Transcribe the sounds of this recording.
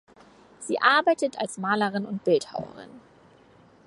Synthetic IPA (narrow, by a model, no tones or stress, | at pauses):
z̥iːʔaɐbaɪtətalsmaːləʁ̞ɪnʊntb̥ɪltha̰ʊɐ̰ʁ̞ɪ̰n